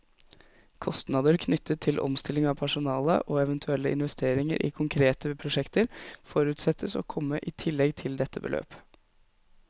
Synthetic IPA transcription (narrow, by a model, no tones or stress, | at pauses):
kʰɔst̪nɑːd̪əɾkʰnʏt̪ʰːət̪ʰːɪlʔɔ̰mst̪ɪlːɪŋɑːpʰæʂʊnɑːlə̰ʔoːɛʋənt̪ʰʉɛlːəʔɪ̰nʋɛst̪eːɾɪŋə̰ɾʔḭːkʰʊŋkʰɾeːt̪əpʰɾʊʂɛkt̪əɾfɔɾʉːt̪sɛt̪ʰːəso̰ːkʰɔmːəʔɪːt̪ʰɪlːɛɡt̪ʰɪld̪ɛt̪ʰːəbəlʔø̰ːp